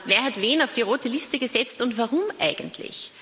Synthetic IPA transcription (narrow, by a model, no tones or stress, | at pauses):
veːɐɦatveːnaʊfd̥iːʁoːtəlɪstəɡəzɛt͡stʊntvaʁʊmʔa̰ɪɡəntʰlɪ̰ç